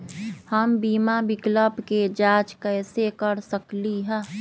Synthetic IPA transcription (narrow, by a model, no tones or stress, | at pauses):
həmbiːmabɪkləbked͡ʒaːt͡ʃkɛːsekəɾsəkliɦɛ̃ː